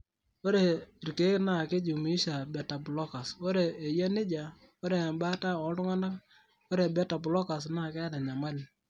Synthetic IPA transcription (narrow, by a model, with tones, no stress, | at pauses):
o˦ɾe˨i˨rke˨˦kna˦˨ke˦d͡ʒu˨mi˦ʃa˨bɛ˨ta˨bʊ˨lɔ˦ka˨sɔ˦ɾe˨e˨ja˦nɪ˦d͡ʒa˨ | o˦ɾe˨mba˦ta˦ɔ˨˦dʊ˦ŋa˦na˦ | ɔ˦ɾe˨bɛ˦ta˨bʊ˨lɔ˦ka˨sna˦˨kɛ˦da˨ɲa˨ma˦l